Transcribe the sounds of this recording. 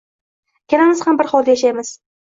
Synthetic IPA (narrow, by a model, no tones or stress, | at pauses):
kʲʰanamɪz̥hambɪɾχɒlˠd̪ajaʃajmɪz̥